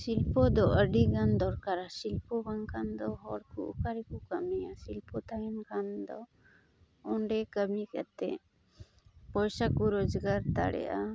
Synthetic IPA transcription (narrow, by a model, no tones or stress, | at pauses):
silpɔd̪ɔəɖiɡand̪ɔɾkaɾasilpɔbaŋkʰand̪ɔɦɔɽkṵʔukaɾɛkukamɛjasilpɔt̪aɾɛnkʰand̪ɔ | ɔɳɖɛkəmikat̪ɛ̰ | pɔjsakuɾɔd͡ʒɡaɾt̪a̰ɽɛ̰ʔa